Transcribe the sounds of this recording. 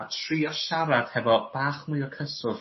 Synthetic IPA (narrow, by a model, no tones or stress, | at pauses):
atʰriːɔʃaɾad̥hɛvɔb̥aːχmɨɨɔkʰəsʊv̥